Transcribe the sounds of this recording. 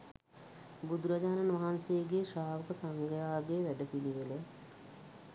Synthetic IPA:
bud̪uɾad͡ʒaːnanʋaɦansejəɡeʃaːʋəkəsaŋɡəjaːɡeːʋæɖəpiliʋele

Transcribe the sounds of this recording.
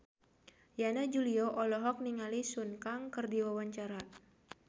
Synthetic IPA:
janad͡ʒuliɔʔɔlɔɦɔk̚niŋalisunkaŋkɨrdiwawaɲt͡ʃaɾa

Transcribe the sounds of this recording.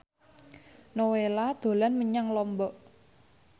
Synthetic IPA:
nowelad̪̥o̤lanməɲaŋlɔmbɔʔ

